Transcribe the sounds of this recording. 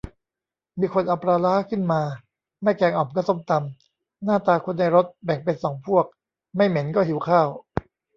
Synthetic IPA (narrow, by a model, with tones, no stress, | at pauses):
miː˧kʰo˧nʔa˨˩pɾaː˧laː˦˥kʰɯ˥˩nmaː˧ | ma˥˩jkɛː˧ŋʔɔː˨˩mkɔː˥˩so˧˥˩mt̪a˧m | naː˥˩t̪aː˧kʰo˧nːa˧jɾo˦˥t̪̚bɛ˨˩ŋpe˧nsɔː˩˦ŋpʰu˥˩ək̚ | ma˥˩jme˩˦nkɔː˥˩ɦi˩˦wkʰaː˥˩w